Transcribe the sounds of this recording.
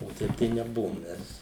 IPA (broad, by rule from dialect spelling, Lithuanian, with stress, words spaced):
oː ˈtɐɪp tɐɪ nʲɛˈbʊʋoːm ˈmʲɛs